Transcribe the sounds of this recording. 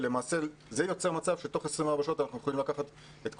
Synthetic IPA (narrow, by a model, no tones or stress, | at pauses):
le̞maːse | zejo̞t͡se̞mat͡savʃet̪o̞χesʁimaːʁbaʃo̞t̪anaχnuje̞χoimlakaχat̪ | et̪k